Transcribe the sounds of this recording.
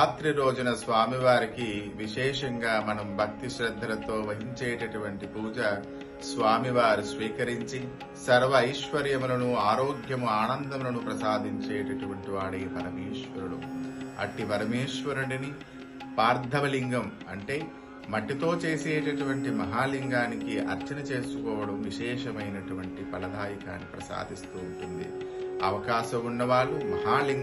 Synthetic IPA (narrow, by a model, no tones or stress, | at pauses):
aːt̪ɾiɾo̞ːd͡ʒunɐsʋaːmiʋaːɾikiʋiʃɛːʂɐŋɡaːmɐnɐmbʱɐk̚t̪iʃɾɐd̪ʱːɐlɐt̪o̞ːʋɐɦiɲt͡ʃeːʈɐʈuʋɐɳʈipuːd͡ʒɐ | sʋaːmiʋaːɾusʋiːkɐɾiɲt͡ʃi | sɐɾʋɐːjʃʋɐɾjɐmulɐnuaːɾoːɡjɐmuaːnɐnd̪ɐmulɐnupɾɐsaːd̪ʱiɲt͡ʃeːʈɐʈuʋɐɳʈiʋaːɽeːpɐɾɐmeːʃʋɐɾuɽṵɐ̰ʈipɐɾɐmeːʃʋɐɾuɳini | paːɾd̪ʱɐʋɐliŋɡɐm | ɐɳʈe̞ː | mɐʈːit̪o̞ːt͡ʃe̞ːseːʈɐʈuʋɐɳʈimɐɦaːliŋɡaːnikiɐ̰ɾt͡ʃɐnɐt͡ʃe̞ːsukɔːʋɐɽɐmʋiʃɛːʃɐmɐjnɐʈuʋɐɳʈipɐlɐd̪aːjɐkaːnːipɾɐsa̰ːd̪ʱist̪uːɳʈund̪ḭɐʋɐkaːʃɐmunːɐʋaːɭːumɐɦaːliŋ